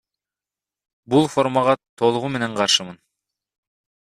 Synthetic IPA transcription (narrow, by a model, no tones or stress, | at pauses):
bulˠfo̞ɾmɑʁɑt̪ʰo̞lˠuʁume̞ne̞ɴqʰɑɾʃɯmɯn